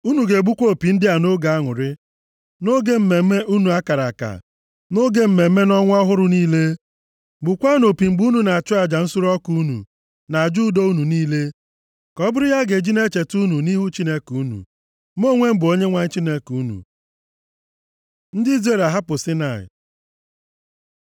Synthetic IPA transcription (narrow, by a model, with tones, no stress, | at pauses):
u˦nu˨ɡe˨ɡ͡bu˦kʷo˦˨pi˨n̩˦dɪ˦a˨no˦ɡa˨a˦ŋʊ˨ɾɪ˦ | no˦ɡe˦m̩˦me˨me˦ʔu˦nu˨a˦ka˨ɾa˨ka̰˨ | no˦ɡe˦m̩˨me˨˦me˦nɔ˦ŋʷ˦ɔ˦ɦʊ˦ɾʊ˨niː˦le˦ | ɡ͡bʊ˨kʷa˦no˨pi˨ŋ͡m̩˨ɡ͡bu˦nu˨na˨a˨t͡ʃʊ˦a˨d͡ʒa˨n̩˦su˦ɾɔ˦ku˦u˦nṵ˨ | na˨d͡ʒu˦do˦u˦nu˨niː˦le˦ | kɔ˦bʊ˦ɾɪ˦ja˦ɡe˨d͡ʒi˦ne˦t͡ʃe˨tu˦nu˨ni˦ɦu˦t͡ʃi˦ne˦kuu˦nṵ˨ | m˦o˦ŋʷe˦m̩˦bʊ˨o˦ɲe˦ŋʷa˨ɲ̩˦t͡ʃi˦ne˦ku˦nṵ˨ | n̩˦dɪ˦i˦ze˦˨la˨ɦa˦pʊ˨si˦na˨ɪ̰˨